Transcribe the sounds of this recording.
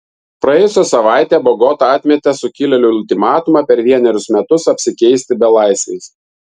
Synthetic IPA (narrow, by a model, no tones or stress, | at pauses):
pɾɐjɛjʊsʲosɐʋɑˑɪt̪ʲeːbɔɡɔt̪ɐɐt̪ʲmʲɛt̪ʲɛsʊkʲɪlʲɛlʲʊʊlʲt̪ʲɪmɑːt̪ʊmɑpʲɛɾʋʲiɛnʲɛɾʲʊsmʲɛt̪ʊsɐpʲsʲɪkʲɛɪsʲt̪ʲɪbʲɛlˠɑˑɪsʲʋʲɛ̰ɪs